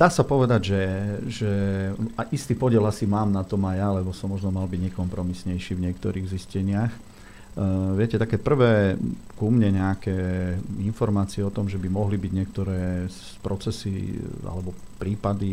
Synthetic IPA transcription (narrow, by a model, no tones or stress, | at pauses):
d̪̥aːsapɔʋɛd̪aɟʒɛʒɛaʔist̪iːpɔɟɪɛlasimaːmnat̪ɔmajalɛbɔsɔmːɔʒnɔmalbiɟɲɛkɔmpɾɔmisɲɛjʃiːvɲɪɛkt̪ɔɾiːɣziscɛɲɪax | ʋɪɛcɛt̪akɛːpr̩ʋɛːkumɲɛɲɛakɛːinfɔɾmaːt͡siɛɔt̪ɔmʒɛbimɔɦlibiɟɲɪɛkt̪ɔɾɛː | pɾɔt͡sɛsḭa̰lɛbɔpɾiːpad̪i